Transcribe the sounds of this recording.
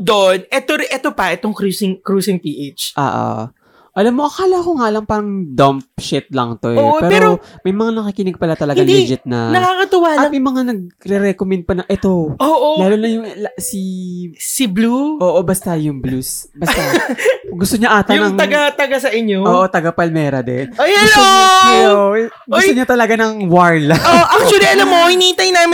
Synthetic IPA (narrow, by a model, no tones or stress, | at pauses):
d̪oʔonʔɛt̪oɾɛt̪opɐʔɛt̪oŋkɾusɪŋkɾuːsɪŋpiʔet͡ʃʔa̰ːʔo̰ | ʔɐlamːoʔɐkaːloɐkoŋaʔɐlɐŋpaɾɐŋd̪ɐmp̚ʃɪt̪̚lɐŋt̪ojoʔopɛːpɛːoɾomɐjmɐŋanɐkikinɪɡ̚pɐlat̪ɐlɐɡand̪id͡ʒɪt̪̚nɐ̰nɐkakɐt̪ɪwaːlɐtɐmɐjmɐŋanɐɡ̚ɾɛɾɛkomɛnd̪̚pɐnɐŋʔɛt̪o̞oːʔolaːlonɐjʊŋlsisɪbluʔoːʔobɐst̪ɐjʊŋblusbɐst̪aɡʊst̪oɲaʔaːt̪ɐnɐŋɐɡat̪ɐɡasɐʔɪɲooːʔot̪ɐɡapɐlmɛːɾɐd̪ɛ̰nojaɡʊst̪ooʔo | ɡʊst̪oɲat̪ɐlɐɡanɐŋwaɹlɐoʔak̚t͡ʃwɐliɐlamːoɪniːt̪ɐjnaːm